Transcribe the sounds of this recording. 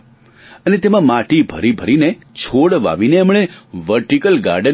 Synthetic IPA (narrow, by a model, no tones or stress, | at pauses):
ənet̪emãmaʈibʱə̰ɾibʱəɾinet͡ʃʰoɽʋa̰ʋineəmɽ̃eʋəɾʈikəlɡa̰ɾɖə